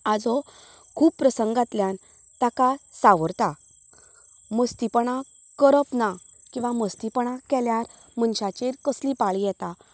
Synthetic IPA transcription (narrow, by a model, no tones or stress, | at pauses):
ad͡zɔ | kʰuːbpɾəsəŋɡat̪ljan | t̪akasaʋəɾt̪a | məst̪ipəɳa | kəɾəpnakĩw̃ʋaməst̪ipəɳakɛljaɾm̤ənɕat͡ɕeɾkəslipaɭijɛt̪a